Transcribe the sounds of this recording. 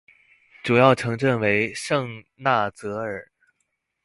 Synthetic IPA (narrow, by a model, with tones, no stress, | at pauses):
ʈ͡ʂu˨˩jɑ˥˩ʊʈ͡ʂʰɤ˧˥ŋʈ͡ʂə˥˩nwe˧˥ɪʂɤ˥˧ŋ | na˥˩t͡sɤ˧˥ə˞˨˩˦